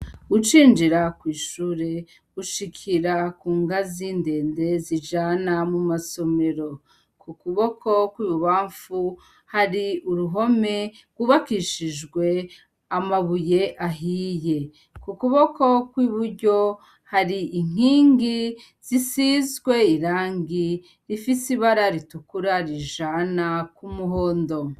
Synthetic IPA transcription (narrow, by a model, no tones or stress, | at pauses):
ut͡ʃiːnd͡ʒiɾakwiːʃuːɾe | uʃikʰiɾakuːŋɡaziːnde̞ːnde̞zid͡ʒanamumaso̞me̞ɾo̞ | kukuβo̞kʰo̞kwiːβuβaːɱfu | haɾiuɾuɦo̞me̞ | ɡuβakiʃid͡ʒɡwe̞ | amaβuje̞ʔaɦije̞ | kukuβo̞ko̞kwiːβuɾɟo̞ | haɾiiŋ̥hiːŋɡi | z̥isizɡwe̞iɾaːŋɡi | ɾifisiβaɾaɾitukuɾaɾiʒanakumuɦoːndo̞